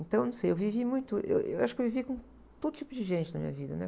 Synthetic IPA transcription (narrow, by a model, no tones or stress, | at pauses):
nt̪ɐ̃w̃nɐ̃w̃sejewvivimũj̃t̪ʊʔḛwʔḛwaʃʊkewvivikõ | t̪od̪ʊt͡ʃ̪ipʊd͡ʒɪʒẽnt͡ʃɪnɐmḭ̃ɲɐ̰vid̪ɐnɛ̰